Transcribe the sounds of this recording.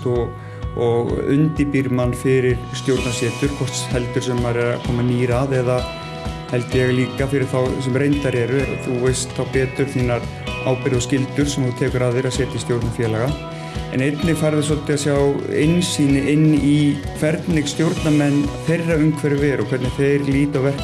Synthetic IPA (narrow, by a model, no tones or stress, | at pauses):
t̪ɔɣ | ɔɣʏ̰nt̪ɪpiɾmanːfɪɾɪɾ̥st̪jowɾt̪nasjɛːt̪ʏɾ̥kʰɔr̥t̪shɛlt̪ʏɾ̥sɛmːaɾɛɾakʰɔːmaniːɾaðɛða | hɛlt̪ɪjɛɣliːkafɪɾɪɾ̥θawsɛmɾejnt̪aɾɛɾʏθuvejst̪θawpɛːt̪ʏɾ̥θiːnaɾ | aːwpɪɾðɔscɪlt̪ʏɾ̥sɛmθut̪ʰɛːkʏɾaːððɪɾaðsɛːt̪ɪist̪jowɾt̪nafjɛːlaɣa | ɛ̰nejt̪nɪfaɾðɪs̬ɔlt̪ɪasjawɪ̰nːsiːnɪʔɪnːikʰvɛɾt̪nɪɣst̪jowɾt̪namɛnːafejrːaʏmkʰvɛɾʏvɛːɾɔkʰvɛɾt̪nɪθejɾliːt̪awvɛr̥k